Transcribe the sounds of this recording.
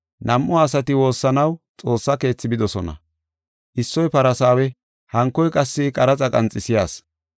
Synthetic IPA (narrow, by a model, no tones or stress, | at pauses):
nɐmʔɔɐsɐt̪ɪwo̞ːsːɐnɐwt͡sʼo̞ːsːɐke̞ːt͡sːɪbɪd̪ɔsɔnɐ̰ | ʔɪsːɔjpɐɾɐsaːwɛ | hɐŋkːɔjkʼɐsːɪkʼɐɾɐt͡sʼɐkʼɐnt͡sʼːɪsɪjaːs